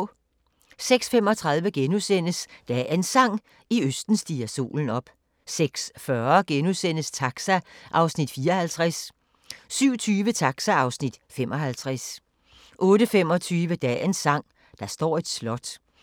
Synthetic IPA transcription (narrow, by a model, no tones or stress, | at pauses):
seɡ̥sfem̰ɒ̽t͡sʰʁɑ̈ð̞ˠʋəɡ̥enusen̰əsd̥ɛensɑ̈ŋ̰ | iøsd̥n̩sd̥iːɐso̝̰ːln̩ɒ̽b̥ | seɡ̥sfɶɐɡ̥enusen̰əst͡sʰɑɡ̥sæʔɑ̈ʊsnid̥fiːɐhælt͡sʰʁas | syʊ̰t͡sʰyːʋət͡sʰɑ̈ɡ̥sæɑ̈ʊsnid̥femʔɒ̽hælt͡sʰʁas | ʔɔ̽ːɾəfemɒ̽t͡sʰyːʋəd̥ɛ̰ːensɑ̈ŋ̰ | d̥ɑ̈sd̥ɒ̰ːe̝d̥slɒ̽d̥